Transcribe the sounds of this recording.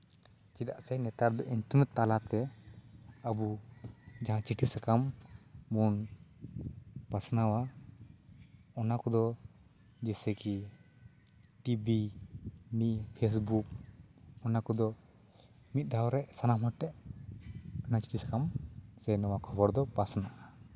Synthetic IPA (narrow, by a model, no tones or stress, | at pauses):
t͡ʃid̪a̰ʔsɛnɛt̪aɾd̪ɔʔint̪umɛt̪ːalat̪ɛ | əbu | d͡ʒaɦãt͡ʃiʈʰisakamː | un | pasnawa | ɔnakɔd̪ɔ | d͡ʒɛsɛki | ʈibi | niʔpʰes̬buk̚ | ɔnakɔd̪ɔ | mit̪̚ˀd̪ʱawɾɛʔsanamɦɔʈːɛʔ | ɔnat͡ʃi̥ʈʰisḁkamsɛnɔwakʰɔbɔɾd̪ɔpasnaʔa